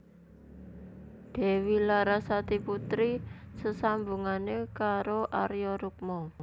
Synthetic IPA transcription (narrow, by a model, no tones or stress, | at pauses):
d̪̥e̤wilaɾasat̪iput̪ɾisəsambuŋanekaɾoʔaɾjɔɾuk̚mɔ